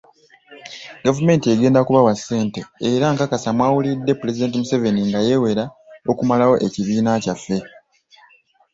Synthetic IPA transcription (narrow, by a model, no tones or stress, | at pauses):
ɡavume̞ːntie̞ɡe̞ːndakuβawasːe̞ːnte̞ːɾaŋkakasamwaːwulidːe̞pule̞zide̞ːntimuse̞ve̞niŋɡaje̞we̞ɾao̞kumalawo̞ʔe̞ciβiːnacafːe̞